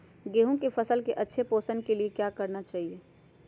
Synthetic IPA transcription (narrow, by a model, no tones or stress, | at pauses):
ɡeːɦõkefʰəsəlkeʔɐtːʃʰepoːsənkeliekjakəɾnat͡ʃaːɦieː